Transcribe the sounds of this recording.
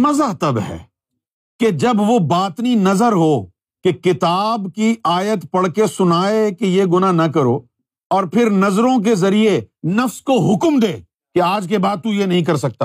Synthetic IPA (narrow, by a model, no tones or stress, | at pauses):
mɐzaɦt̪ɐbɦɛ̰ː | ked͡ʒɐbʋobaːt̪ninɐzəɾɦo | kekɪt̪aːbkiaːjət̪pɐɽkesʊnaːekejeɡʊnanɐkɐɾo | ɔːɾpʰɪɾnɐzɾõk̬ezɐɾienɐfskoɦʊkmd̪eː | keaːd͡ʒkebaːd̪̚t̪ujenɐɦĩk̬ɐɾsɐk̚t̪a̰ː